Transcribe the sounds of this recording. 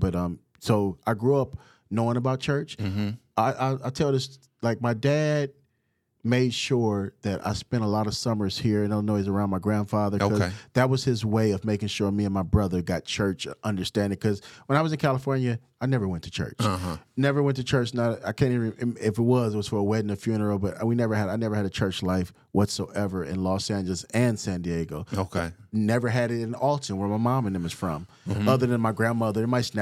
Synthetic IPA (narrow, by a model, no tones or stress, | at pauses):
b̥ʌɾʌ̃m | soʊʔaɪɡɹuʌp̚ | noʊɪ̃ŋəbaʊt̚t͡ʃʰɜ˞t͡ʃaɪʔaɪaɪtʰɛlˠɨs | laɪk̚maɪdæd̚ | meɪd̥ʃʊɹðɨɾa̰ɪspɛ̃ñtəlɔɾʌv̥sʌmə˞z̥hiɹɨ̃ndõnːoʊɨzə˞ãʊ̃nmaɪɡɹæ̃nd̥fɑðə˞koʌzðɨt̚wʌz̥ɪzweɪʌvmeɪkɪ̃ŋʃʊɹmiɨ̃nmaɪbɹʌðə˞ɡɑt̚t͡ʃʰɜ˞t͡ʃʔʌ̃ndə˞stæ̃ndɪ̃ŋkʰʌzwə̃naɪwʌzɨ̃nkʰælˠəfɔɹnjɨ | aɪnɛvə˞wɛ̃ntʰɨ̥t͡ʃʰɜ̰˞t͡ʃnɛvə˞wɛ̃ntɨt͡ʃʰɜ˞t͡ʃnəɾaɪkʰæ̃niviɪfɨt̚wʌzɨt̚wʌz̥fə˞əwɛdnɨfjʉnə˞l̩ˠbʌɾwinɛvə˞ɨɾaɪnɛvə˞ɨɾɨt͡ʃʰɜ˞t͡ʃlaɪf | wʔʌtsoʊʔɛvə˞ʔɨ̰̃nlɔsæ̃nd͡ʒl̩ˠəzɨ̃nsæ̃ndieɡoʊoʊkʰɪnɛvə˞ɨɾɪɾɨ̃ñn̩ɔlˠtɨ̃nwə˞maɪmɑ̃mɨ̃nɨ̃mɨz̥fɹʌ̰̃m | ʌðə˞ðɨ̃nmaɪɡɹæ̃nmʌðə˞ɨ̃nmaɪsn